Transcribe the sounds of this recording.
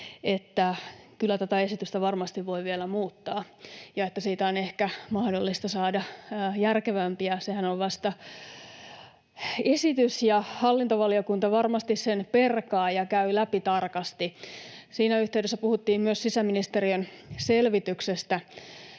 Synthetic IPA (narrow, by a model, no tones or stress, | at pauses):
et̪ːækylːæt̪æt̪æesit̪yst̪æʋɑrmɑst̪iʋʋo̞iʋielæmuːt̪ːɑː | jɑet̪ːæsiːt̪æonehkæmɑhdolːist̪ɑsɑːdɑjærkeʋæmpiæsehænoʋʋɑst̪ɑ | esit̪ysjɑhɑlːint̪oʋɑliokunt̪ɑʋɑrmɑst̪issenperkɑːjɑkæylæpit̪ɑrkɑst̪isiːnæyht̪eydesːæpuhut̪ːiːmmyøssisæminist̪eriøn | selʋit̪yksest̪æ